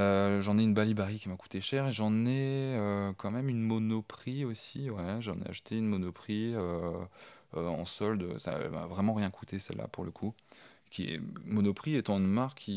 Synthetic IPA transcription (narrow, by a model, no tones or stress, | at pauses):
øʒɑ̃nɛynbalibaʁikʲimaku̥t̪eʃɛʁeʒɑ̃nɛøkɑ̃mɛmynmɔnɔpχiosiwɛʒɑ̃nɛ̰a̰ʃut̪ʰeynmɔnɔpχiø | øɑ̰̃sɔld̪əsa̰ɛ̰ma̰vʁɛmɑ̃ʁjɛ̃kʰut̪esɛ̰lːa̰puʁləkʰu | kʲiɛ̰mɔnɔpχiɛt̪ɑ̃ynmaʁkʰːi